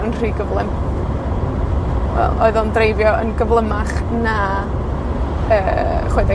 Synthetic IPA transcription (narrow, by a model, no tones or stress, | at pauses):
ɾənr̥iːɡəvlˠɪm | wɛ̰lˠo̰ɨðɔndrejvjɔənɡəvlˠəmaχ | na | əːχwedɛ